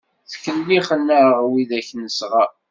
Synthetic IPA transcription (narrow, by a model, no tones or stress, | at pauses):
θçəlːiχənːəɾʁwiðæçnəsʁa